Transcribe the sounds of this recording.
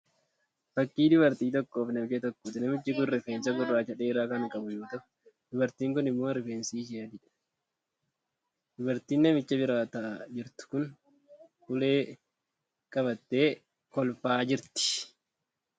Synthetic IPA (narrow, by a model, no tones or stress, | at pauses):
fɐkːiːd̪ʊbɐɾt̪iːt̪ɔkːoːfnɐmt͡ʃɛt̪ɔkːʊt̪ɪnɐmɪt͡ʃːɪkʊnɾɪfeːnsɐɡʊrːaːt͡ʃɐᶑeːɾaːkɐnkʼɐbʊjuːt̪ɐf | d̪ʊbɐɾt̪iːŋkʊnɪmːoːɾɪfeːnsiːʃ̬ɪɐd̪ɪᶑ | d̪̥ʊbɐɾt̪iːnːɛmɪt͡ʃːɐbɪɾaːt̪ɐd͡ʒɪɾt̪ʊ̥kʊn | hʊle̞ː | kʼɐbɐt̪ːe̞ː | kɔlfaːd͡ʒɪɾt̪ɪ̥